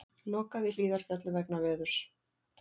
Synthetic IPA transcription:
nɔːkavɪliːðaɾ̥fjɛt̪lɪvɛknavɛːðʏɾ̥

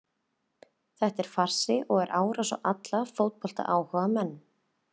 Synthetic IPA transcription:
θɛht̪ɛɾ̥far̥sɪʔɔɣɛɾʔaːwɾasɔ̰ʔat̪lafowt̪̚pɔl̥t̪a̰ʔaːwhœːɣamɛnː

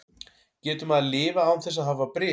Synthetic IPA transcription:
cɛːt̪ʏmaðlɪːvaːwθɛsːaðɦavapɾɪ

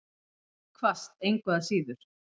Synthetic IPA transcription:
kʰvast̪ejŋkʰvɛðasiːðʏɾ̥

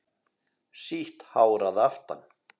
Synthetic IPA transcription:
siht̪haːwɾaðaft̪a̰n

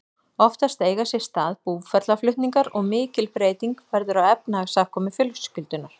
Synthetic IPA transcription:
ɔft̪ast̪eːjɣasjɛ̥st̪aːðpuːvfɛɾt̪laflʏht̪niŋkaɾɔɣmɪːcɪlpɾeːjt̪iŋkvɛɾðʏɾawɛpnaːɣsakʰɔːmɪfjʏlkscʏlt̪ʏnaɾ̥

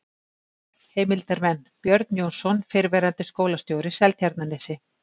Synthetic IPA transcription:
heːjmɪlt̪ɛɾmɛnːpjœɾt̪njoːwnsɔnfɪɾvɛːɾant̪ɪskoːwlast̪jowɾɪsɛlt̪çaɾt̪naneːsɪ

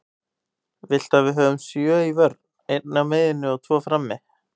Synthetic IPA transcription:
vɪl̥t̪aðvɪðɦœːvʏmsjœːivœɾ | ejt̪nameːjðɪnːʏɔt̪ʰvɔːfɾamːɪ

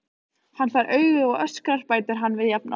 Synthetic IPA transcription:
hanfaɾʔœːɥɣʏɔɣœskar̥paːjt̪ɪɾ̥ɦanːvɪðjap̚nʔa̰

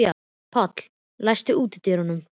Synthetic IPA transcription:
a | pʰɔt̪l̥ | lajst̪ɪuːt̪ɪt̪ɪɾhɔnːʏm

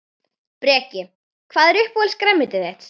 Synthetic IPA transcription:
pɾɛːcɪ | kʰv̥aːðɛɾʏhpɔɛlskɾɛmːɪt̪ɪθɛht̪

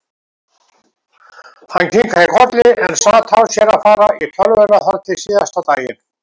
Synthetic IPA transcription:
hanːcʰiŋkʰaðɪkʰɔɾt̪lɪʔɛ̰nsaːt̪ʰawsjɛɾaðfaːɾaʔit̪ʰœlvœnaθɔɾt̪ʰɪsiːðast̪awt̪aːjɪ̰n

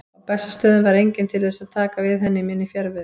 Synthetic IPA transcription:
apɛsːast̪œːðʏnvaɾejɲcɪnt̪ʰɪlðɛːsaðt̪ʰaːkavɪðɦɛnːɪmɪnːifjɛɾvɪð

